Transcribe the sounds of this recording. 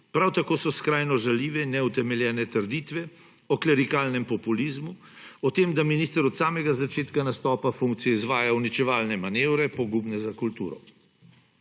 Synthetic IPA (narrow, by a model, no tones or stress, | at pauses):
pɾawt̪akoːsɔskɾajnɔʒaliːʋɛinːɛut̪ɛmɛljɛːnɛt̪əɾd̪iːt̪ʋɛ | ɔklɛɾikaːlnɛmpɔpuliːzmu | ɔt̪eːmd̪aminiːst̪əɾɔt̪saːmɛɡazat͡ʃeːt̪kanast̪ɔːpafuŋk̚t̪sijɔizʋaːjawnit͡ʃɛʋaːlnɛmaneːwɾɛpɔɡubnɛzakult̪ṵːɾɔ̰